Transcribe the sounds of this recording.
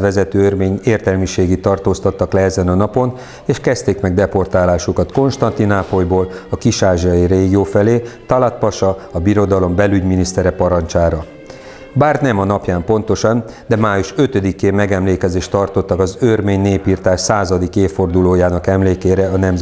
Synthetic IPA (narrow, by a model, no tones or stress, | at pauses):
ʋɛzɛt̪øːørmeːɲeːrt̪ɛlmiʃeːɡit̪ːɒrt̪oːst̪ɒt̪ːɒklɛɛzɛnɒnɒpo̞n | eːʃkɛst̪eːkmɛɡ̚d̪ɛpo̞rt̪aːlaːʃukɒt̪ko̞nʃt̪ɒnt̪inaːpo̞jboːlɒkiʃaːʒiɒjireːɡioːfɛleːt̪ɒlɒt̪pɒʃɒɒbiɾo̞d̪ɒlo̞mbɛlyɟminist̪ɛɾɛpɒɾɒnt͡ʃaːɾɒ | baːrnɛmɒnɒpjaːmpo̞nt̪o̞ʃɒnd̪ɛmaːjuʃø̞t̪ød̪ikeːmmːɛɡɛmleːkɛzeːʃt̪ɒrt̪o̞t̪ːɒkɒzørmeːɲneːpiːrt̪aːʃsaːzɒd̪ikeːfːo̞rd̪uloːjaːnɒkɛmleːkeːɾɛɒnɛmz